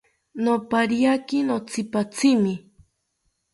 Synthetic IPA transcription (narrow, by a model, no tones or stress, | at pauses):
nopaɾiakinot͡sʰɪpat͡sʰɪmɪ